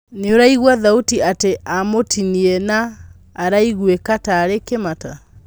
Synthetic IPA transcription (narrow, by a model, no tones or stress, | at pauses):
neoɾaiɣwaðautiateamotʰiniɛnaː | ɾaiɣwekataːɾekemata